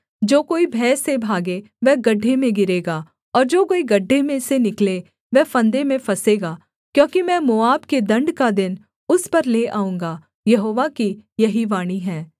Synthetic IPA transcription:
d͡ʒoːkoːibʱɛːsebʱaːɡe | ʋɛːɡɐɖʱːemẽɡɪɾeːɡaː | ɔːɾd͡ʒoːkoːiɡɐɖʱːemẽsenɪkle | ʋɛfɐ̃nd̪emẽfɐseːɡaː | kjõːkimɛ̃ːmoːaːbked̪ɐ̃ɳɖkad̪ɪn | ʊspɐɾleːʔaːũːŋɡaː | jɐɦoːʋakijɐɦiʋaːɽ̃iɦɛ̃ː

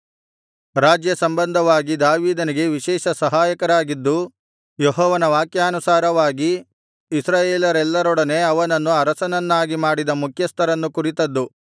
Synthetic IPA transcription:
ɾaːd͡ʒjɐsɐmbɐnd̪ʱɐʋaːɡid̪aːʋiːd̪ɐniɡe̞ʋiʃɛːʃɐsɐɦaːjɐkɐɾaːɡid̪ːu | jeɦɔːʋɐnɐʋaːkjaːnusaːɾɐʋaːɡiː | sɾaːjeːlɐɾɛlːɐɾɔɽɐne̞ɐʋɐnɐnːuɐɾɐsɐnɐnːaːɡimaːɽid̪ɐmukʰjɐst̪ʰɐɾɐnːukuɾit̪ɐd̪ːu

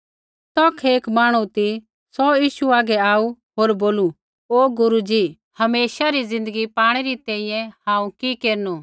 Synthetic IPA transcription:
t̪ɔkʰeːkmaːɽ̃ut̪i | sɔjiːʃuaːɡɛaːu | ɦoːɾboːlu | oːɡʊɾud͡ʒi | hɐmeːʃaɾizɪ̃nd̪əɡipaːɽ̃ɛɾit̪ɛ̃ĩjɛ̃hãːũkikeːɾnu

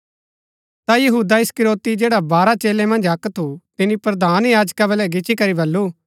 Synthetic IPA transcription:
t̪ajɐɦuːd̪aɪskɪɾoːt̪id͡ʒeːɽabaːɾat͡ʃeːlemɐ̃nd͡ʒɐkt̪ʰut̪ɪnipɾɐd̪aːnjaːd͡ʒkabɛlɛɡɪt͡ʃikɐɾibɐlːu

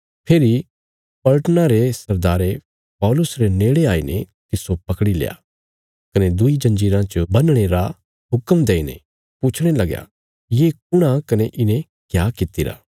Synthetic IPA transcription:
pʰeːɾi | pɐlʈənãɾesɐɾd̪aːɾe | pɔːlʊsɾeneːɽeaːinḛt̪ɪsopɐkɽilḛːja̰ | kɐned̪ʊid͡ʒɐ̃nd͡ʒiːɾãt͡ʃəbɐnɽ̃eɾa | ɦʊkəmd̪eːinḛ | pʊt͡ʃʰɽ̃elɐɡja̰ | jeːk̚ʊɽ̃akɐneʔɪnẽ | kjaːkɪt̪iɾa̰ː

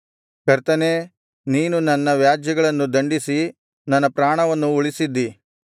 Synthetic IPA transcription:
kɐɾt̪ɐneː | niːnunɐnːɐʋjaːd͡ʒjɐɡɐɭɐnːud̪ɐɳɖisi | nɐnːɐpɾaːɳɐʋɐnːuuɭisid̪ːi

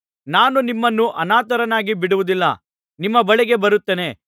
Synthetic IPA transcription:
naːnunimːɐnːuʔɐnaːt̪ɐɾɐnaːɡibiɽuʋud̪ilːɐ̰ | nimːɐbɐɭɛɡe̞bɐɾut̪ːeːne̞

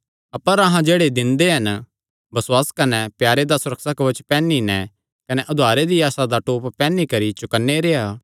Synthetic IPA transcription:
ɐpəɾɐɦãd͡ʒeːɽed̪ɪ̃nd̪eɦɐn | bɐswaːskɐnɛpjaːɾed̪asʊɾəksakɐʋət͡ʃpɛ̃ːninɛ | kɐnɛʔʊd̪ʱaːɾed̪iaːsad̪aʈoːpːpɛ̃ːnikɐɾit͡ʃʊkənːeɾeːaː

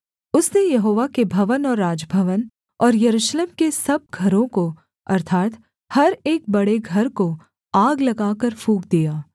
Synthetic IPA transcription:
ʊsnejɐɦoːʋakebʱɐʋənɔːɾːaːd͡ʒbʱəʋən | ɔːɾjɐɾuːʃleːmkesɐb̚ɡʱɐɾõko | ɐ̰ɾt̪ʰaːt̪ | hɐɾeːk̚bɐɽeɡʱɐɾko | aːɡlɐɡaːkəɾfʰuːk̚d̪ijaː

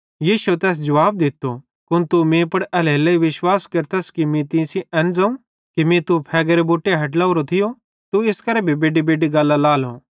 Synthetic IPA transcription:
jiːʃut̪ɛːs̬d͡ʒɐʋaːb̚d̪ɪt̪ːo | kʊnt̪umẽpɐɽɛleːlɐiʋɪʃwaːskɐɾt̪ɐskimĩt̪ɪ̃siʔɛ̃ːnd͡zaũ | kimĩt̪upʰɛːɡəɾeboːʈːeɦɐʈ̬laʊɾot̪ʰɪjo | t̪uɪskɐɾɛbʱibeːɖibeːɖiɡaːlːalaːlõː

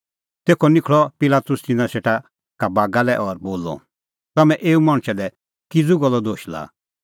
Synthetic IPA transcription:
t̪eːkʰɔnɪkʰɭɔpɪlaːt̪ʊst̪ɪnãseʈa | kabaːɡalɛʔɔɾboːlɔ̰ | t̪ɐmɛ̃ʔeːumɐ̃ɽ̃t͡ʃɛlɛ | kid͡zuɡɔlːɔd̪oːʃla̰ː

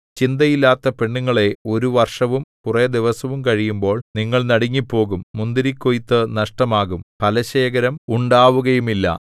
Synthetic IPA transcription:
t͡ɕind̪ɐjilːaːt̪ːɐpe̞ɳːuŋːɐɭe̞o̞ɾuʋɐrʂɐʋumkured̪iʋɐsɐʋumkɐɻijumbo̞ːɭniŋːɐɭnɐɽiŋːipːo̞ːɣumːund̪iɾikʲːojt̪ːɨnɐʂʈɐmaːɣumpɐlɐɕeːɣɐɾɐmuɳɖaːʋuɣɐjumilːɐ̰

